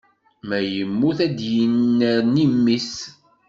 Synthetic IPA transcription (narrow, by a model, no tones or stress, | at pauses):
mæjəmːuθæd̪jənːəɾnimːis